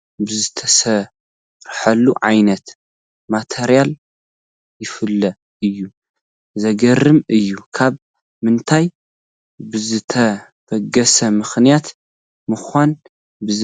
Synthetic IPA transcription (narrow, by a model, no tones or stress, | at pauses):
bɨzɨt̪ʰɐsɐ | ɾħɐlːuʕajnɐt̪ | mat̪ʰeɾijal | jɪfɨlːɐ | ɨjːu | zɐɡɐɾɨmɨjːukʰaβ | mɨnt̪ʰaj | bɨzɨt̪ʰɐ | fɐɡɐsɐmɨxnijat̪ | mɨxan | bɨ